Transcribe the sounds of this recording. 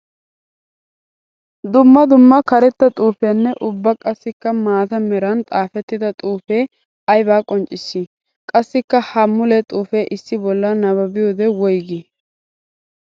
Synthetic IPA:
d̪ʊmːɐd̪ʊmːɐkɐɾɛt̪ːɐt̪ʼuːfeːnːɛʔʊbːɐkʼɐsːɪkːɐmaːt̪ɐmɛɾɐnt̪ʼaːfɛt̪ːɪd̪ɐt̪ʼuːfeː | ɐjbaːkʼɔnt͡ʃʼːɪsːi | kʼɐsːɪkːɐhɐmːʊlɛt̪ʼuːfeːʔɪsːɪbɔlːɐnɐβɐbɪjoːd̪ɛwɔjɡi

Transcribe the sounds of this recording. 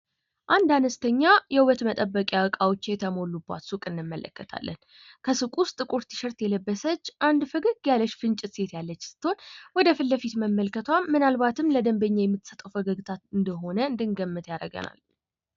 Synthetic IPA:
ʔand̪anəst̪ʰəɲːajɛɨwət̪mət̪ʼəbːəkʼjawəkʼawot͡ʃːjɛt̪ʰəmo̞lːubːa̰t̪sukʼɨnːɨmːələ̰kːət̪ʰa̰lːən | kʰəsɨkʼʊst̪ʼːɨkʼuɾt̪ʰɨ̥ʃəɾt̪jɛləbːəsət͡ʃːʔand̪fɨɡɨɡjaləʃfɨnt͡ʃʼɪt̪se̞t̪jalːət͡ʃːsɨ̥t̪ːhonwɔd̪əfɨlːəfit̪məmːəlkʰət̪ʰwamːɨnalβat̪ʰɨmləd̪əmbəɲːajɛmːɨt̪ːsət̪ʼəwfəɡəɡɨt̪ʰat̪ɨnd̪əɦo̞nəɨnd̪ɨŋɡəmːɨt̪jaɾəɡə̰na̰l

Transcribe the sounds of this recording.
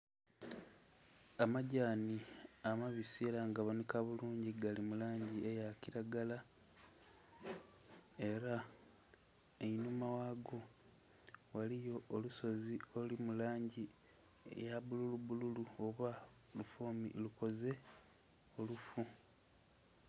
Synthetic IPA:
amaɟaːniamaβisiɾaŋɡaβonikaβuluːɲɟiɡalimulaːɲɟiejaciɾaɡala | e̞ɾa | einumawaɡo̞ | walijo̞ːluso̞zio̞limulaːɲɟi | ḛjaβululuβululuoβa | lufo̞ːmḭluko̞ze̞ | olufu

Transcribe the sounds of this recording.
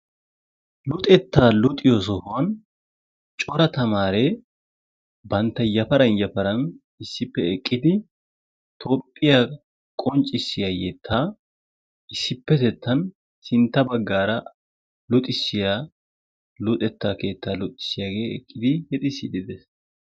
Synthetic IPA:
lʊt̪ʼɛt̪ːaːlʊt̪ʼɪjosɔhʊwɐn | t͡ʃʼɔɾɐt̪ɐmaːɾeː | bɐnt̪ːɐjɐfɐɾɐnjɐfɐɾɐn | ɪsːɪpːɛɛkʼːɪd̪ɪ | t̪ʰo̞ːpʼːɪja | kʼɔnt͡ʃʼːɪsːɪjaːjɛt̪ʰːaː | ɪsːɪpːɛt̪ɛt̪ʰːɐn | sɪnt̪ːɐbɐɡːaːɾɐ | lʊt̪ʼɪsːɪjaː | lʊt̪ʼɛt̪ːaːke̞ːt̪ːaːlʊt̪ʼːɪ̥sɪjaːɡe̞ːɛ̰kʼːɪd̪ɪhɛt̪ʼɪsːɪd̪ɪd̪ɛs

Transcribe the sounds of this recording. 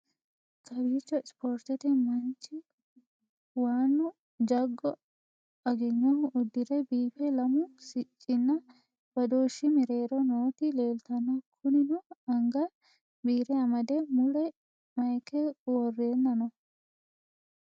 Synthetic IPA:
kʰɐbiːt͡ʃːɔɪspoːɾt̪ɛt̪ɛmɐnt͡ʃːɪ | waːnːʊ | d͡ʒɐɡːɔ | ɐɡɪŋːɔʊd̪ːɪɾɛbiːfɛlɐmʊsɪt͡ʃʼːɪnːɐ | b̥ɐd̪oːʃːɪmɪɾe̞ːɾɔnoːt̪ɪleːlt̪ɐnːɐkʰʊnɪnʊɐŋɡɐ | biːɾɛɐmɐd̪ɛmʊɽɛ | mɐjkɛwɔrːeːnːɐnɔ

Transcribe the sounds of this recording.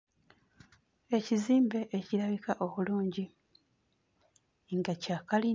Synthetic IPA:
e̞ciziːmbe̞ʔeciɾaβikaʔo̞βuluːɲɟi | ŋɡacakali

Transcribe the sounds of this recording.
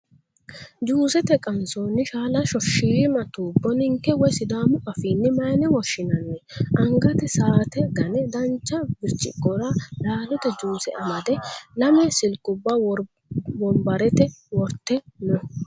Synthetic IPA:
d͡ʒuːsɛt̪ɛkʼɐnsoːnːɪʃaːlɐʃɔʃːiːmɐt̪uːbːɔnɪŋkːɛwɔjsɪd̪aːmʊʔɐfiːnːɪmɐjnɛwɔʃːɪnɐnːɛʔɐŋɡɐt̪ɛsaːt̪ɛɡɐnɛd̪ɐnt͡ʃːɐbɪɾt͡ʃːɪ̰kʼːɔɾɐlaːlɔt̪ɛd͡ʒuːsɛʔɐmɐd̪ɛlɐmɛsɪlkʼʊbːaw | bɔmbɐɾɛt̪ɛwɔɾt̪ːɛnɔ

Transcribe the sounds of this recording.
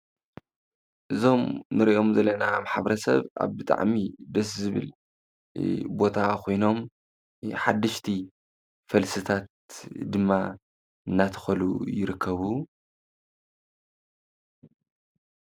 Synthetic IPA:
ʔɨzo̞mnɨɾiʔo̞mzɐlːɐnamaħaβɐɾɐsɐ̰βʔa̰βbɨt̪ʼa̰ʕmid̪ɐs̬zɨβɨ̰l | bo̞t̪ʰakʰo̞jno̞m | ħad̪ːɨʃt̪ʰi | fɐlsɨt̪ʰat̪̚ | d̪ɨmːa | ɨnːat̪ʰɐ̥xɐlujɪɾɨkʰːɐβu

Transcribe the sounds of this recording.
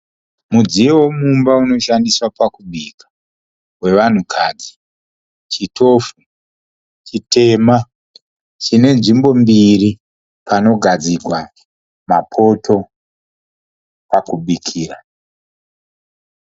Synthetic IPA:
mud͡zijewomumbauno̞ʃandiswapakuɓikḁ | we̞ʋan̤ukʰad͡zi | t͡ʃito̞fu | t͡ʃitʰe̞ma | t͡ʃine̞nʐimbo̞mbiri | pano̞ɡʱad͡ziɡʱwa | mapʰo̞to̞ | pakuɓikʰiːra

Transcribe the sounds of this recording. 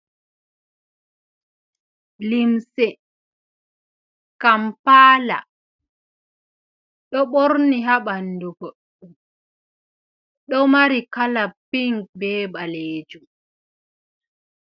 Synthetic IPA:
limsɛ | kampaːla̰ | ɗɔɓoɾniɦaɓanduɡoɗ | um | ɗɔmaɾikalapiŋk̚bɛːbaleːd͡ʒum

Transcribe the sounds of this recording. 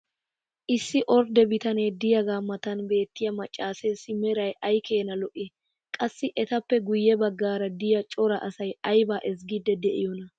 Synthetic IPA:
ʔɪsːɪʔɔɾd̪ɛbɪt̪ɐneːd̪ɪjɐɡaːmːɐt̪ɐnbe̞ːt̪ːɪjɐmɐt͡ʃʼːaːsɛsɪmɛɾɐjʔɐjkʰe̞ːnɐlɔʔɪ | kʼɐsːɪʔɛt̪ɐpːɛɡʊjːɛbɐɡːaːɾɐd̪ɪjɐt͡ʃʼɔɾɐʔɐsɐjɐjbaːʔɛs̬ɡɪd̪ɛd̪ɛʔɪjɔnɐ

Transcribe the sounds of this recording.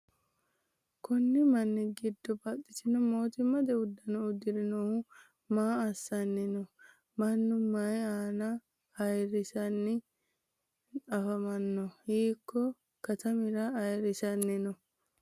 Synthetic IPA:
kʊnːɪmɐnːɪɡɪd̪ːɔbɐt̪ʼːɪt̪ɪnɔmo̞ːt̪ɪmːɐd̪ɛʊd̪ːɐnɔʊd̪ɪɾɪnɔhʊ | maːɐsːɐnːɪnɔ | mɐnːʊmːɐjaːnɐ | ɐjɾɪsɐnːɪ | ɐfɐmɐnːɔhiːkːɔ | kɐt̪ɐmɪɾɐɐjɾɪsɐnːɪnɔ

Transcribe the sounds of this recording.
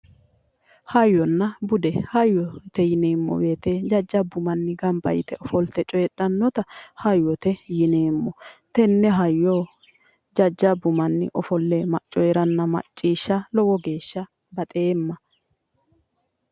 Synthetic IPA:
hɐjːɔnːɐbʊd̪ɛhɐjːɔt̪ɛjɪneːmːɔ̰weːt̪ed͡ʒɐd͡ʒːɐbʊmɐnːɪɡɐmbɐ̰jɪt̪ɛʔɔfɔlt̪ɛt͡ʃʼɔjɛᶑɐnːɔt̪ɐhɐjːɔt̪ɛjɪneːmːɔt̪ɛnːɛɦɐjːoː | d͡ʒɐd͡ʒːɐbʊmɐnːɪ̰ʔɔfɔlːemɐt͡ʃʼːɔjɛɾɐnːɐmɐ̰t͡ʃʼːiːʃːɐlɔwɔɡe̞ːʃːɐ | bɐt̪ʼeːmːɐ

